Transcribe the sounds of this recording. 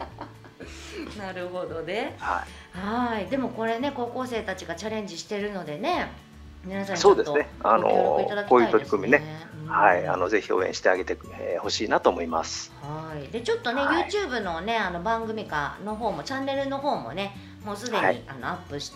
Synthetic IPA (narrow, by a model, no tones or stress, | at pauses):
naɾɯ̟ho̞d̪o̞ne̞hai | haid̪e̞mo̞ko̞ɾe̞ne̞ko̞ːko̞ːse̞ːt̪at͡ɕiɡat͡ɕaɾẽ̞ɲ̟d͡ʑiɕi̥t̪e̞ɾɯ̟no̞d̪e̞ne̞ | minasãɲsoːd̪est̪onea̰no̰it̪ad̪akoːjɯːait̪oɾʲi̥kɯ̟mʲineehaia̰no̞ze̞çio̰ːẽɕi̥t̪eaɡe̞t̪e | eho̞ɕiːnat̪oːmo̞ima̰sɨ̥haid̪e̞t͡ɕo̞t̪ːo̞ne̞jɯ̟ːt͡ɕɯːbɯ̟no̞ne̞ano̞bãŋɡɯ̟mʲika̰no̞ɦo̞ːmo̞t͡ɕãnːe̞ɾɯ̟no̞ɦo̞ːmo̞̰ne̞ | mo̞ːsɨd̪e̞ɲɲḭano̞̰apːɯ̟ɕi̥t̪